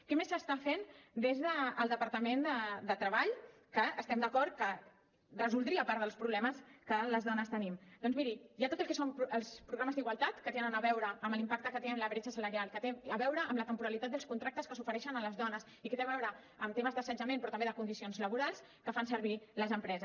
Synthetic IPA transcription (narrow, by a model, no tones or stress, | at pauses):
kɛmesːəst̪afend̪ezðəːlˠd̪əpəɾt̪əmend̪əd̪ət̪ɾəβaʎ | kəəst̪ɛmd̪əkɔɾt̪̚kə | rəzulˠd̪ɾiəpaɾðəlˠspɾuβlɛməskələzðɔnəst̪ənimd̪̥ɔnzmiɾijat̪ot̪̬əlˠkɛsompəlˠspɾuɣɾaməzd̪iɣwalˠt̪at̪kət̪enənəβɛwɾəːmlimpak̚t̪əkət̪eəmləβɾet͡ʃəsələɾialˠkət̪eəβɛwɾəʔəmlət̪əmpuɾəlit̪at̪̚d̪əlˠskunt̪ɾak̚t̪əskəsufəɾɛʃənələzðɔnəs | ikət̪eβɛwɾəː | mt̪eməzðəsənd͡ʒəmẽnpɾɔt̪əmbeðəkund̪isionzləβuɾalˠs | kəfansəɾβiləzəmpɾɛzə